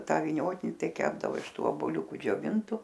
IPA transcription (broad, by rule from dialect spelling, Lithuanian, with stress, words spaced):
ˈtɑː ʋʲɪˈnʲoːtʲɪnʲɪ ˈtɐɪ ˈkʲæːbdɐʋoː ɪʃ ˈtuː oːboːˈlʲʊkʊ d͡ʒʲoːˈʋʲɪntʊ